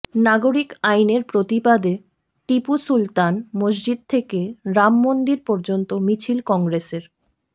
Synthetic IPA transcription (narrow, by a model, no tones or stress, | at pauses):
naɡoɾikajneɾpɾot̪ibad̪e | ʈipusult̪anmod͡ʑd͡ʑid̪̚t̪ʰekeɾamːond̪iɾpɔɾd͡ʑont̪omit͡ɕʰilkɔŋɡɾeseɾ